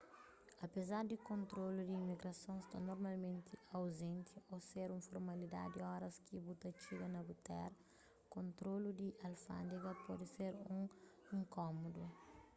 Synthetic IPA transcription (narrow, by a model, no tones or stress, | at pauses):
ɐpezaɾd̪ikõnt̪ɾolud̪iːmiɡɾɐsõst̪anoɾmalmẽnt̪ʰiɐwzẽnt̪ʰioseɾũfoɾmɐlid̪a̰d̪d̪iɔɾɐskibut̪ɐt͡ʃiɡɐnɐbut̪ɛ̰ɾ | kõnt̪ɾolud̪iʔɐlfã̰nd̪iɡɐpɔd̪iseɾũ | ĩŋkɔmod̪u